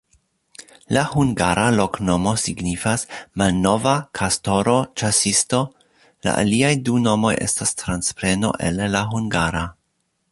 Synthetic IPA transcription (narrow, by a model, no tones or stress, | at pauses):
lahuŋɡaɾalo̞kno̞mo̞siɡnifasmalno̞vakʰasto̞ɾo̞t͡ʃasisto̞ | la̰ʔa̰liajduno̞mo̞jʔe̞̰stastɾanspɾe̞no̞̰ʔe̞̰lːaɦuŋɡaɾa